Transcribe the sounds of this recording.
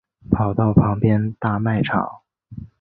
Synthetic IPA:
pʰɑ˨˩ʊt̪ɑ˥˩ʊpʰɑ˧˥ŋpjɛ˥nt̪a˥˧ma˥˩ɪʈ͡ʂʰɑ̰˨˩˦ŋ

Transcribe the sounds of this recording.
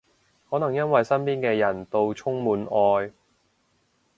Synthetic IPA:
hɔː˨˥nɐ˨˩ŋjɐ˥nwɐ˨jsɐ˥npiː˥nkɛː˧jɐ˨˩nt̪o˧wt͡ʃʰʊ˥ŋmuː˨˥nʔɔː˧j

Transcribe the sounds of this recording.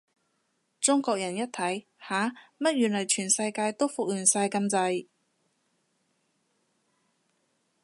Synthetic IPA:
t͡sʊ˥ŋkɔː˧k̚jɐ˨˩njɐ˥t̚t̪ʰɐ˨˥j | haː˨˥mɐ˥t̚jyː˨˩nlɐ˨˩jt͡ʃʰyː˨˩nsɐ˧jkaː˧jt̪o˥wfʊ˨k̚jyː˨˩nsaː˧jkɐ˥˧mt͡sɐ˧j

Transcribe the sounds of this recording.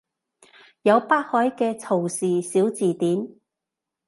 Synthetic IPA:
jɐ˨˧wpaː˥k̚hɔː˨˥jkɛː˧t͡sʰo˨˩wsiː˨siː˨˥wt͡siː˨˩t̪iː˨˥n

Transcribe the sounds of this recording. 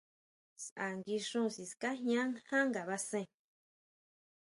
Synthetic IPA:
sa˨ŋɡi˧ʂũ˦˨si˨ska˦ɦɲã˦ŋhã˦ŋɡa˨βa˧sẽ˦˧˨

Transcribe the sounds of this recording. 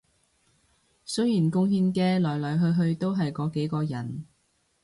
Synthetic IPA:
sɵ˥ɥjiː˨˩nkʊ˧ŋhiː˧nkɛː˧lɔː˨˩jlɔː˨˩jɦɵ˧ɥɦɵ˧ɥt̪o˥wɦɐ˨jkɔː˨˧˥ke˨˥jkɔː˧jɐ˨˩n

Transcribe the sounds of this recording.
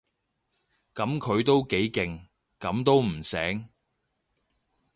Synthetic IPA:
kɐ˨˥mkʰɵ˨˧ɥt̪o˥wke˨˥jkɪ˨ŋ | kɐ˨˥mt̪o˥wm̩˨˩sɛ̰ː˨˥ŋ

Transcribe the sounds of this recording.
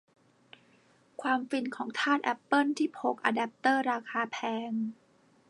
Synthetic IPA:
kʰwaː˧mfi˧nkʰɔː˩˦ŋt̪ʰaː˥˩t̪̚ʔɛ˧˩pːɤ˥˩nt̪ʰiː˥˩pʰo˨˩˦k̚ʔa̰˧dɛ˨˩p̚t̪ɤː˥˩ɾaː˧kʰaː˧pʰɛː˧ŋ

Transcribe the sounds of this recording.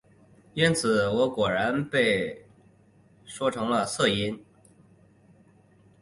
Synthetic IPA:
i˥nt͡sʰɹ̩˨˩˦wɔ˧˥kwɔ˨˩ɻa˧˥npe˥˩ɪ | ʂwɔ˥ʈ͡ʂʰɤ˧˥ŋlə˧sɤ˥˩i˥n

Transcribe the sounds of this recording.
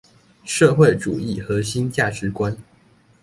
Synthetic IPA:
ʂɤ˥˧xwe˥˩ɪʈ͡ʂu˨˩i˥˩xɤ˨˧˥ɕi˥nt͡ɕja˥˩ʈ͡ʂɻ̩˨˥kwa˦n

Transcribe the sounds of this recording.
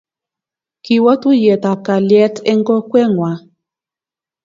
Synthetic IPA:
ki˨wɔ˦tu˦je˨t̪a˨ka˨ljɛ˦tɛ˦ŋɡɔ˦kwɛ˦ŋwa˨

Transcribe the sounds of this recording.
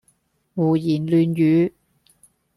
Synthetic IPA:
ŋuː˨˩jiː˨˩nlyː˨˧njyː˨˥

